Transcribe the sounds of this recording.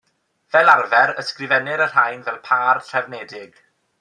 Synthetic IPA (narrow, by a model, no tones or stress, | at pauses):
vɛlarvɛɾəskrɪvɛnɪɾər̥hajnvɛlˠpʰaːrɬrʰɛvnɛdɪɡ̥